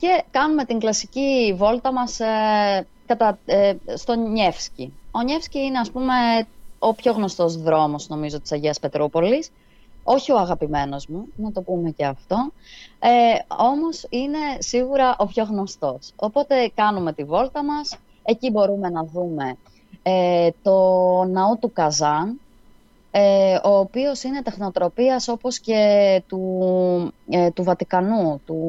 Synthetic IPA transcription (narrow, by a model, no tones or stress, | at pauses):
ce̞kɐnume̞t̪iŋɡlɐsicivo̞lt̪ɐmɐs | kɐt̪ɐst̪o̞ɲe̞fscio̞ɲe̞fsciine̞ɐspume̞o̞pço̞ɣno̞st̪o̞zðɾo̞mo̞sno̞mizo̞t̪i̥sɐʝeɐspe̞t̪ɾopo̞lis | o̞çio̞ɐɣɐpime̞no̞zmunɐt̪o̞pume̞ceɐft̪o̞eo̞mo̞sine̞siɣuɾɐʔo̞pço̞ɣno̞st̪o̞so̞po̞t̪e̞kɐnume̞t̪ivo̞lt̪ɐmɐs | e̞cibo̞ɾume̞nɐðume̞ | t̪o̞nɐot̪ukɐzɐn | eo̞ːpio̞sine̞t̪e̞xno̞t̪ɾo̞piɐso̞po̞sce̞t̪u | t̪uvɐt̪ikɐnut̪u